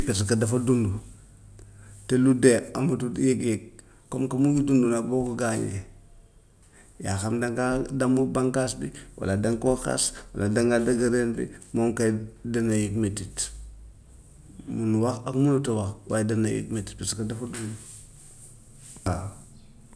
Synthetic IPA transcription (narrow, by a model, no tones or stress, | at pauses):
pes̬kadafadundu | teludeamatudjekjek̚ | komkamujudundunabokuɡaɲḛ | ja̰xamdaŋɡadamubaŋkasbiwa̰ladaŋkoxa̰swa̰ladaŋɡaldaɡaɾenbḭmomkadanajikmetit | munuwaxakmunutawaxwa̰jdanajḭkmeti̥tpeskadafadundu | a